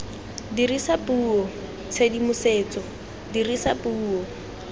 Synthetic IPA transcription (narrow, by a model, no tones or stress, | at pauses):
dirisapʼuːɔ | t͡sʰedimʊseːt͡sɔ | dirisapuːɔ